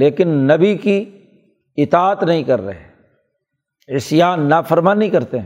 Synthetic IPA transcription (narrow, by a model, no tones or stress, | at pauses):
leːkɪnːɐbiki | ɪt̪aːət̪nɐɦĩkɐɾːə̰ɦe | ɪsjaːnːaːfʰəɾmaːnːɦĩkɐɾt̪ẽ